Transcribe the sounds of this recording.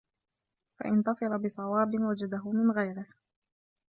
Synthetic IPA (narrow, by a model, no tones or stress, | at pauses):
fa̰ʔɪnt̪ɑfɨlabɪsˤɑwɑːbɪwad͡ʒad̪aɦʊmɪnɣajɾɪh